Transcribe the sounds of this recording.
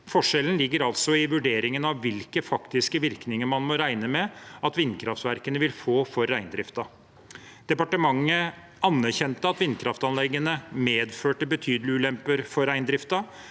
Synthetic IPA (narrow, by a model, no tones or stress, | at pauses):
fɔʂɛlən̩lɪɡːəɾɑlt̪sɔɪʋʉɖeːɾɪŋənɑʋːɪlkəfɑkt̪ɪskəʋɪɾknɪŋəɾmɑnmɔɾæɪnəmɛɑt̪ʋɪnkʰɾɑft̪ʋæɾkənəʋɪlfoːfɔɾːæɪnd̪ɾɪft̪ɑ | d̪̥ɛpɑʈəmɑŋːə | ɑnːæɾçɛnt̪əɑt̪ʋɪnkʰɾɑft̪ɑnlɛɡːənəmeːd̪føːʈəbət̪ʰyːd̪əlɪʉːlɛmpəɾfɔɾːæɪnd̪ɾɪft̪ɑ